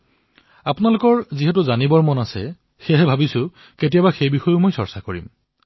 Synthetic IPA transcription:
apʊnalʊkɔɹziɦɛtʊzanibɔɹmɔnasɛ̰ | xeɦɛbʱabisʊ | ketijabaxejbixɔjʊmojsɔɹsakoɹḭm

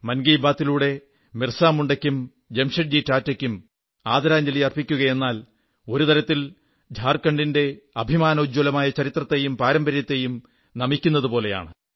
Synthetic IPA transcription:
mɐnɡiːbaːt̪ːiluːɽe̞ | mirsaːmuɳɖɐkʲːum | d͡ʑemʂiɐʈ̚d͡ʑiːtːaːtːɐkʲːum | aːd̪ɐɾaːɲd͡ʑɐlijɐrpikʲːuɣɐje̞nːaːl | o̞ɾut̪ɐɾɐt̪ːil | d͡ʑʱaːrkɐɳɖinde̞ɐbʱimaːnɐud͡ʑolɐmaːjɐt͡ɕɐɾit̪rɐt̪ːe̞jumpaːɾɐmbɐɾjɐt̪ːe̞jum | nɐmikʲːun̪ːɐðupo̞ːle̞ja̰ːɳɨ

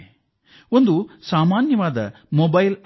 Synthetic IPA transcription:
o̞nd̪usaːmaːnjɐʋaːd̪ɐ̰ | mɔbɐjl

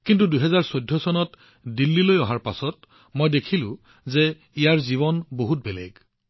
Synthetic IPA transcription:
kintuduɦɛzaɹsojdʱːɔsɔnɔt | dilːilojɔɦaɹpasɔt | mojdekʰilʊ̰̃ | ze | ijaɹziβɔnboɦut̚bɛlɛ̰ɡ

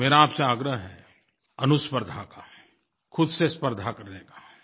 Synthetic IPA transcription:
meːɾaːpseaːɡɾəɦɦɛ | ɐnʊspəɾd̪ʱaka | kʰʊd̪sespəɾd̪ʱakɐɾnekaː

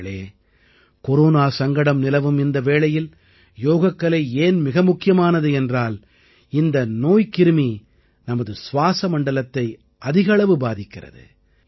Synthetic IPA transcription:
ɭḛː | kɔɾoːnaːsɐŋɡɐɽɐmnɪlɐʋɯmɪnd̪ɐʋeːɭɐjɪl | joːɣɐkːɐɭɐɪeːnmɪɣɐmʊkːɪjɐmaːnɐðɯɛndraːl | ɪnd̪ɐnoːjkɪɾɯmi | nɐmɐðɯsʋaːsɐmɐɳɖɐlɐt̪ːɐɪ | ʔɐðɪɣɐɭɐʋɯbaːðɪkːɪrɐ̰ðɯ̰

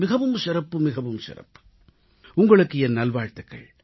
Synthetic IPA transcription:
mɪɣɐʋɯmsɪɾɐpːɯmɪɣɐʋɯmsɪ̰ɾɐ̰pːɯ̥ | ʊŋɡɐɭɯkːɯɛnnɐlʋaːɻt̪ɯkːɐ̰ɭ

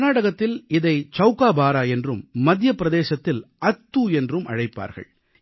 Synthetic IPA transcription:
naːɽɐɣɐt̪ːɪlɪðɐɪt͡ʃɐʊkaːbaːɾaːɛndrɯmːɐd̪jɐpːɪɾɐðeːsɐt̪ːɪlɐt̪ːuːɛndrɯmɐ̰ɻɐɪpːa̰ːɾɣɐ̰ɭ

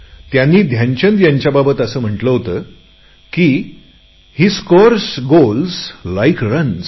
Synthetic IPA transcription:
t̪janːiːd̪ʱjãɲt͡ɕənd̪jaɲt͡ɕjababət̪əsəːm̤əʈləɦot̪ə | kiː | hiːskoɾsɡolslajkɾəns

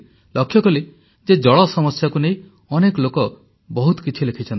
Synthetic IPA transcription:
lɔkʰːjɔkɔle | d͡ʒed͡ʒɔɭɔsɔmɔsjakunej̃ | ɔnekɔlokɔ | bɔɦut̪ɔ̥kit͡ʃʰilekʰit͡ʃʰɔnt̪i

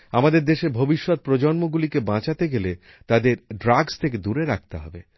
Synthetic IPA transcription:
amad̪eɾd̪eʃebʱobiʃːɔt̪̚pɾod͡ʑɔnmoɡulikebãt͡ɕat̪eɡele | t̪ad̪eɾɖɾaɡst̪ʰek̬ed̪uɾeɾak̚t̪eɦɔbe

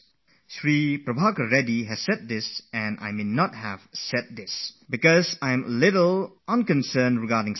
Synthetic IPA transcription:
ʃɹipɹəbakəɹɛdiɦɛssɛd̚d̪ɪsɛ̃na̰jmenɔt̚hɛv̥sɛd̚d̪ɪsbikɔsãj̃məlɪtəlʔə̃nkə̃nsənɹiɡadɪ̃ŋ

